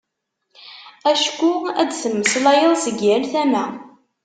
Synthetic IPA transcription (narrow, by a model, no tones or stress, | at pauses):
æʃkʷːuæ̰d̪θəmːəslæjəðˤsəɡjænθæmæ